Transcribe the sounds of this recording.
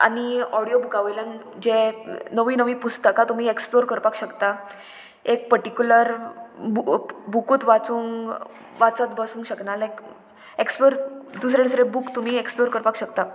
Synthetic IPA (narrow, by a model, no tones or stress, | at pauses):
a̰ɽ̃iɔɽijobukaʋəjlə̃ŋɡ | d͡ʑẽnəʋiːnəʋipust̪əkat̪um̤iːeksploɾkəɾpakɕəkt̪a | ek̚pəɾʈikʲjuləɾbubukuːt̪ʋat͡suːŋ | ʋat͡sət̪bəsũːŋɡɕəknalek | eksploɾd̪us̬ɾeɽusɾebukt̪um̤iːeksploɾkəɾpakɕəkt̪a